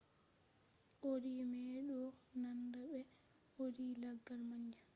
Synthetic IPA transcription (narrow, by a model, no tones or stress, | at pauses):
ʔoɾimɛːɗɔnandaɓɛ | oɾiːlaɡːalmaɲd͡ʒa